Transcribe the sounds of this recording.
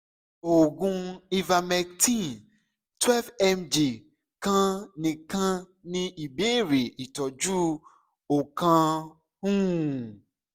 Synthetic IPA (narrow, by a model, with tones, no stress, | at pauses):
o˨ɡũ˧i˦va˧mɛ˧ktĩ˦˨n | twɛ˦lvɛ˦md͡ʒe˨ | kã˦nĩ˧kã˦ | nĩ˦i˨be˦ɾe˨i˨tɔ˨d͡ʒu˦ | o˨kã˧ | hũ˦